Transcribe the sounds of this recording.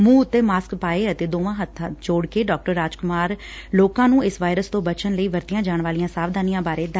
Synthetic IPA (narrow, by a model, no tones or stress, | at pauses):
mũːʊt̪ːeːmaːskpaːeːət̪eːd̪oːʋãːɦət̪ʰːãːt͡ʃoːɽkeːɖɔːk̚ʈəɾːaːd͡ʒkʊmaːɾ | loːkãːnũːɪsʋaːɪɾəst̪õːbət͡ʃənləiːʋəɾt̪ɪjãːd͡ʒaːɳʋaːlijãːsaːʋd̪aːnijãːbaːɾeːd̪